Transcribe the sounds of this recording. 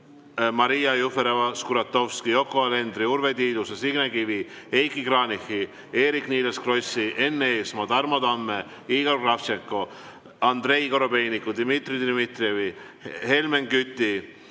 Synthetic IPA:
mɑɾijɑjufeɾevɑskuɾɑt̪ːo̞fskijo̞kːoɑle̞nd̪ɾiuɾve̞t̪iːd̪usesiɡ̥nekivi | e̞jkːikrɑːnixi | e̞ːɾikniːleskro̞siʔe̞nːeeːsmɑd̪ɑrmɑd̪ɑmːe | iːɡ̥o̞rɡrɑft͡ʃeŋkːo̞ | ɑnd̪re̞jko̞ɾo̞be̞jnikːud̪imit̪rid̪imit̪revi | he̞lmeŋkyt̪ːi

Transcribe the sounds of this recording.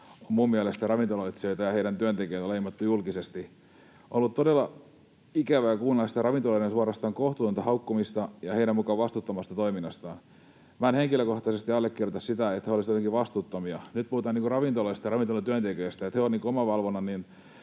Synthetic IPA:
ommuːmmiælest̪ærɑʋint̪oloit̪soit̪ɑjɑheiɾænt̪yønt̪ekeit̪leimɑt̪ːujulkisest̪i | ʔolːut̪t̪odelːɑ | ikæʋæjɑkuːnelɑst̪ɑrɑʋint̪olɑinensuɑɾɑst̪ɑːŋkoht̪ut̪ːunt̪ɑhɑukːomist̪ɑjɑheiɾæmmukɑʋʋɑst̪ut̪ːomɑst̪ɑt̪oiminːɑst̪ɑːn | mænheŋkiløkoht̪ɑsest̪iɑlːekːirjot̪ɑssit̪æet̪heolisjot̪eŋkiʋɑst̪uːt̪ːomiɑnyt̪̚puhut̪ɑːniŋkurɑʋint̪olɑist̪ɑrɑʋint̪olɑt̪yønt̪ekøːst̪æet̪heoniːŋkoomɑʋɑlʋonːɑnin

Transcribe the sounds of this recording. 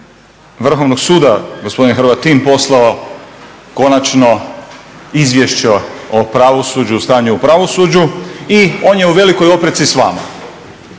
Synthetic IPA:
ʋr̩xo̞ʋnoɡsuːd̪aɡospod̪inxrbat̪ːimpo̞slˠao | ko̞nat͡ʃno̞ | izʋjeʃt͡ɕeopɾaʋo̞suːd͡ʒust̪aːɲuupɾaʋo̞sud͡ʑuio̞ːnje̞uʋe̞liko̞jo̞pɾet̪sisʋa̰ːma̰

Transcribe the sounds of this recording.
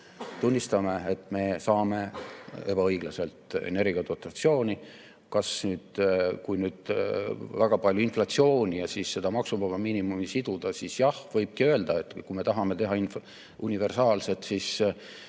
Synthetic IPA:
t̪unʲːist̪ɑme̞et̪ːˑme̞sɑːme̞e̞b̥ɑɤjɡ̥lɑse̞lt̪ˑḛne̞ɾɡiɑt̪ot̪ːˑɑt̪sio̞ːnʲi | kɑsnyːd̪̥kujnyːd̪̥ | væɡ̥ɑpɑljuinflɑt̪sio̞ːnʲijɑsisːe̞d̪ɑmɑksuvɑvɑminimumisid̪̥ud̪̥ɑsisjɑhvɤjb̥̚kiøeld̪̥ɑe̞t̪ːkume̞t̪ɑɦɑme̞t̪e̞ɦɑin | unive̞rsɑːlse̞t̪sis

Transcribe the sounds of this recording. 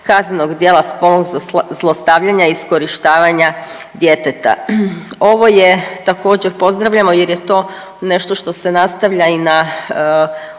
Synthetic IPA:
kazneno̞ɡd̪jeːlˠaspo̞lnoɡzlˠost̪aːʋʎaɲaiskoɾiʃt̪aːʋaɲad̪je̞t̪et̪a̰o̞ʋo̞jet̪ako̞ːd͡ʑeɾpo̞zd̪ɾaʋʎamo̞jeɾjet̪o̞ː | ne̞ʃt̪o̞ʃt̪o̞se̞nast̪aʋʎaina

